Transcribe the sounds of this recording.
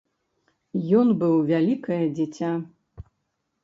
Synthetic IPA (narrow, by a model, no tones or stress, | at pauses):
jɔnbɨwvʲalʲikɐjɐd͡zʲɛt͡sʲa